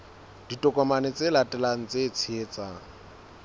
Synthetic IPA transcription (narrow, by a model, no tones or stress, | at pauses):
d̥itʼɔkʼɔmanɪt͡sʼelatʼɛlaŋ̩t͡sʼet͡sʰieːt͡sʼaŋ̩